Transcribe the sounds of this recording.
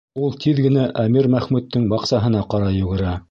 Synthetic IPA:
ulˠt̪ʰiðɡɘ̆næʔæmiɾmæχmʉt̪ːɘŋbɑqsɑɦɤ̆n̪ɑqɑɾɑjɵ̆ɡɘ̆ɾæ

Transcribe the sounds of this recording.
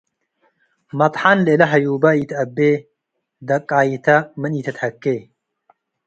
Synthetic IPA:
mɐt̪ˤħɐnlelɐɦɐjuːbɐiːt̪ʰɐbːeː | d̪ɐkʼːaːit̪ʰɐmɨniːt̪ʰɐt̪hɐkːeː

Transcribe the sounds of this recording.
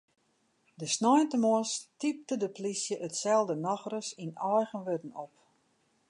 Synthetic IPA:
dəsnɔjntəmɔstip̚tədəplisjəʔətsɛlˠdənaxrəsinɔjɣənʋødn̩op

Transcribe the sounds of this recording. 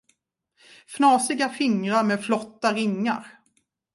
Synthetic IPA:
fnɑːsɪɡafɪŋɾaɾmeːd̪flɔt̪ːaɾɪŋːa̰ɾ

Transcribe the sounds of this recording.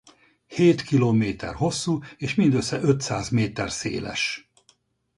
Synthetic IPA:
heːt̪kiloːmeːt̪ɛ̰rho̞sːueːʃmind̪øsːɛʔøt̪saːzmeːt̪ɛrsḛːlɛ̰ʃ

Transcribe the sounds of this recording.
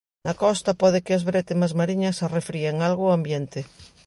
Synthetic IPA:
akɔst̪apɔð̞ekɪazβɾet̪emazmaɾiɲasarefɾieŋalɣoambjent̪ɪ

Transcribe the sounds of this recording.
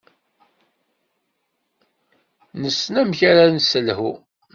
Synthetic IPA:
nəsnæmçaɾansəlhu

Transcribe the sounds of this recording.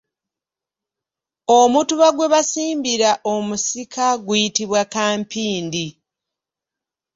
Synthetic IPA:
omutuβaɡwe̞βasiːmbiɾaʔomusikʰaɡwujitiβwakaːmpiːndi

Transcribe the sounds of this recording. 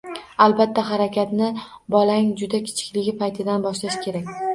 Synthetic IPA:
alˠbat̪ʰːaɦaɾakʲʰat̪nɪbɒlaŋd͡ʒʊd̪akʲʰɪ̥t͡ʃʰɪ̥kʲlɪɡʲɪpʰajt̪ʰɪd̪anbɒʃlaʃkʲʰe̞ɾakʲ

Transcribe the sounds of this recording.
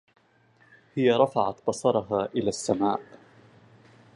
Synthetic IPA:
hɪjaɾˤɑfɑʕat̪bɑsˤɑɾˤɑɦaːʔɪlaːsːamaːʔ

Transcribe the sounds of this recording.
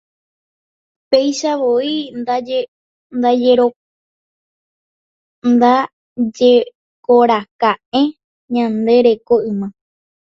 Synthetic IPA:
pejʃaʋoia | nd̪ad͡ʒeɾo | nd̪a | d͡ʒe | koɾakaẽ̞ | ɲãnd̪e̞ɾe̞koʔɨmã

